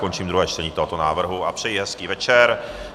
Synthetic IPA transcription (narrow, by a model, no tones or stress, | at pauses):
kont͡ʃiːmd̪ɾuɦɛːt͡ʃt̪ɛɲiːt̪oɦo̞t̪onaːvr̩ɦuʔapr̥ɛjiɦɛskiːvɛt͡ʃɛɾ